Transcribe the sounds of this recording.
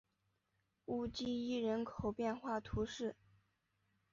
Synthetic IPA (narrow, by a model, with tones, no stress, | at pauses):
u˥˩t͡ɕi˥i˥˩ɻə˧˥nkʰo˨˩ʊpjɛ˥˧nxwa˥˩t̪ʰu˧˥ʂɻ̩˥˩